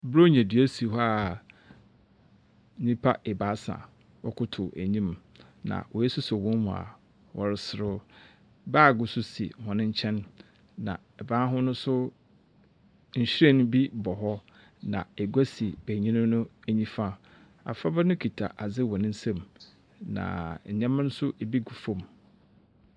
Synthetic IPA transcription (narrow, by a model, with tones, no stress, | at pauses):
bɾo˦ɲæ̃˨dɥæ˦si˨ɦɔ˦a˦˨ | nĩ˦pʰa˦ɛ˨ba˨˦sã̰˨ | wɔ̰˦kʰʊ˦tʰʊ˨ʔæ̰˨ɲĩ˦m | nã̰˨wʔɔ˨ɛ˦sʊ˦sɔ˨wɔ̃˦nmʊ̰̃˨a̰˨ | wɔ˨ɾɪ˦sɪ˦ɾʊ˦ | baː˦˨ɡʊ˨sʊ˦sḭ˨hɔ̃˨nɪ̃˦ɲ̩˦t͡ɕʰɛ̃˦nː | ã̰˨ | ɛ˨bãː˦ɦʊ̃˦nʊ̃˦sʊ˦ | ɲ̩˨ɕɾɛ˦˨nʊ̃˦bi˦bɔ˨ɦɔ˦ | nã̰˨ɛ˨ɡa˦si˨b̥æ˨ɲĩ˦nʊ̃˦nʊ̃˦æ˨ɲĩ˦fã˦ | a̰˨fa˦bɛ˦nʊ̃˦kʰi˨tʰa̰˨ʔa˨d͡zɪ˦wɔ˨nɪ̃˦n̩˦sɛ̃˦˨m | nã̰˨ɲɛ̃˦m̃˦nʊ̃˦sʊ˦ʔe˨bi˦ɡu˨fõ˦m